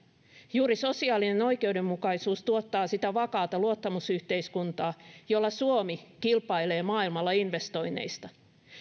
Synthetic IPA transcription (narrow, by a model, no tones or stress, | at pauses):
juːɾiso̞siɑːline̞no̞jke̞uwde̞mːukɑisuːst̪uot̪ːɑːsit̪æʋɑkɑːt̪ɑluot̪ːɑmusyht̪e̞iskunt̪ɑːjo̞lːɑsuomikilpɑjle̞ːmɑːilmɑlːɑinʋe̞st̪o̞inḛjst̪ɑ